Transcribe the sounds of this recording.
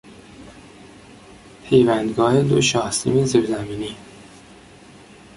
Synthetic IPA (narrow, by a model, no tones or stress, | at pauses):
pʰejvænd̪ɡɒːhed̪o̰ʃɒːhsḭmeziɾzæmiːni